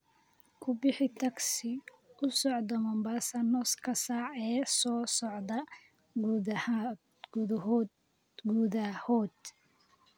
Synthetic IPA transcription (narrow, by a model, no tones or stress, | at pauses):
kʰʊbɪħɪt̪ʰɐɡsɪ | ʊsɔʕd̪ɐmɐmbasɐnɔskʰɐsaːʕɛːsɔːsɔʕd̪ɐ | ɡuh | ɡuːðɐhɔːd̪